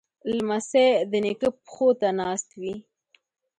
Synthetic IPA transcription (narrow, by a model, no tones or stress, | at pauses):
lmased̪ənekəpxot̪anɑst̪wi